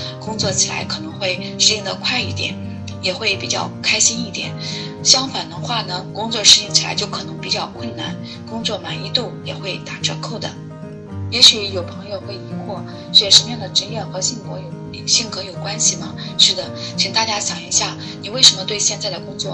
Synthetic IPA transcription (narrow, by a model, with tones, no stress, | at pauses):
kʊ˥ŋt͡swɔ˥˩t͡ɕʰi˨˩la̰˧˥ɪkʰɤ˨˩nɤ˧˥ŋxwe˥˩ɪ | ʂɻ̩˥˧i˥˩ŋd̪ə̰˧kʰwa˥˧ɪi˥˩t̪jɛ̰˨˩˦n | jɛ˨˩xwe˥˩ɪpi˨˩t͡ɕjɑ̰˥˩ʊkʰa˥ɪɕi˥ni˥˩t̪jɛ̰˨˦n | ɕjɑ˥ŋfa˨˩nd̪ə˧˥xwa˥˩nə˩kʊ˥ŋt͡swɔ˥˧ʂɻ̩˥˧i˥˩ŋt͡ɕʰi˨˩la̰˧˥ɪt͡ɕjo˥˩ʊkʰɤ˨˩nɤ˧˥ŋpi˨˩t͡ɕjɑ˥˩ʊkwə˥˩nna̰˨˧˩n | kʊ˥ŋt͡swɔ˥˩ma˨˩ni˧˥t̪u˥˩jɛ˨˩xwe˥˩ɪt̪a˨˩ʈ͡ʂɤ˧˥kʰo˥˩ʊd̪ə̰˩ | jɛ˧˥ɕy˧˥jo˨˩ʊpʰɤ˧˥ŋjo˧ʊxwe˥˩ɪi˧˥xwɔ˥˩ | ɻ̩˥˩t͡ɕjɛ˨˩ʂə˧˥mə˧jɑ˥˩ŋd̪ə˩ʈ͡ʂə˥njɛ˥˩nxɤ˧˥ɕi˥˩ŋkwɔ̰˧˥jo˨˩ʊ˨˩ɕi˥˩ŋkɤ˧˥jo˨˩ʊkwa˥nɕi˨mɐ˩ | ʂɻ̩˥˩d̪ə˩t͡ɕʰi˧˥ŋt̪a˥˩t͡ɕja˥ɕjɑ˨˩˦ŋḭ˧˥ɕja˥˩ | ni˨˩we˥˩ɪʂə˧˥nmə˧t̪we˥˧ɪɕjɛ˥˧nt͡sa˥˩ɪd̪ə˩kʊ˥ŋt͡swɔ˥˩